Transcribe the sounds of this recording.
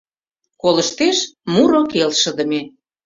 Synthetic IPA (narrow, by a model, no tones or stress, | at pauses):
koləʃt̪eʃmuɾokelʃə̆d̪ə̆me